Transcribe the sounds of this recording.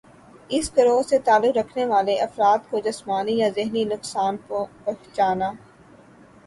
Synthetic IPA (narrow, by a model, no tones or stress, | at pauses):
ɪskɐɾoːɾset̪aːlːʊkɾɐkʰneʋaːleʔɐfɾaːt̪̚kod͡ʒɐsmaːnijazɪɦninʊksaːnpɐkt͡ʃaːnaː